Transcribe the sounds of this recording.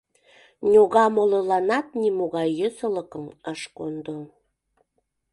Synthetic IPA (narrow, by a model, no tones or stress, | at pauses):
nʲoɣɑmolelɑnɑt̪̚nimoɣɑjːøsələkəməʃkond̪o